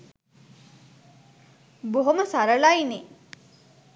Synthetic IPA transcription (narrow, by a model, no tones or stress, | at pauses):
boɦoməsaɾəlajne